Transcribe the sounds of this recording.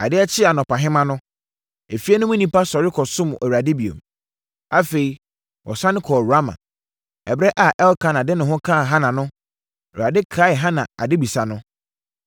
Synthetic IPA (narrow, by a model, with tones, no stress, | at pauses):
a̰˨dɪ˦ɛ˦t͡ɕʰɪ˦a˨nɔ̃˨pʰa˨ɦɪ̃˦mã˦nʊ̃˦ | e˨fi˦ɛ˦nʊ̃˦mʊ̃˦nĩ˦pa˦sɔ˨ɾɪ˦kʰɔ˨sʊ̃˦m˨ʔɔ˨a˨dɪ˦bi˨o̰˨m | a˦fe˨i˨ | wʔɔ̰˨sã˦nɪ̃˦kʰɔ˨ɾa˦mã̰˨ | ɛ˨bɾɛ˦ʔa˨ʔɛ˦lkʰã˦˨nã˨dɪ˦nʊ̃˨ɦʊ̃˦kʰã˦˨ɦã˦nã˨nʊ̃˦ | ɛ˨a˨dɪ˦kʰa˦ɪ˨ɦã˦nã˨a̰˨dɪ˦bi˨sa˨nʊ̃˦